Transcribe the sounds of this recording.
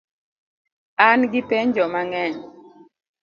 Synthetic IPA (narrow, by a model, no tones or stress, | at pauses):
anɡɪpeɲd͡ʒɔmaŋɛɲ